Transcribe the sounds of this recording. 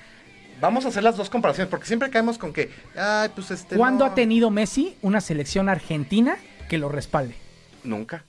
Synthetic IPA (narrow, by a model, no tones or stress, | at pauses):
bamo̞s̬aːse̞ɾlazðo̞sko̞mpaɾasjonspo̞ɾkesje̞mpɾe̞kaemo̞sko̞ŋke̞ajpwesest̪ekwand̪o̞at̪e̞niðo̞me̞siunase̞le̞ksjo̞naɾxe̞nt̪ina | ke̞lo̞re̞spald̪e̞ | nṵ̃ŋka